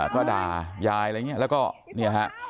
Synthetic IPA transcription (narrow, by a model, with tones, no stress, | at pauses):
kɔː˥˩daː˧˩jaː˧ja˧ŋi˦˥ɐlɛː˦˥wkɔː˥˩ni˥˩ɐ˨˩ɦa˦˥ʔ